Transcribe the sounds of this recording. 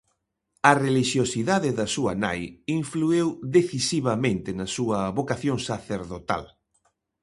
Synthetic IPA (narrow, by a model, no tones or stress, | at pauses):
ɐreliʃjosiðaðɪðɐsuɐ̰na̰jiɱfluewðeθisiβɐmẽnt̪ɪnɐsuɐβokaθjoŋsaθeɾðot̪a̰l